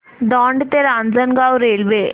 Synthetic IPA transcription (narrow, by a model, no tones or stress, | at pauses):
d̪ɔːɳɖt̪eɾand͡zɐnɡaːwɾelʋe